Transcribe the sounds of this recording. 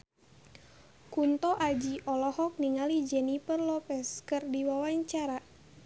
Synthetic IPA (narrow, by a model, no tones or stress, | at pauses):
kunt̪ɔʔad͡ʒiʔɔlɔhɔk̚niŋalid͡ʒɛnipərlɔpɛskɨrdiwawaɲt͡ʃaɾa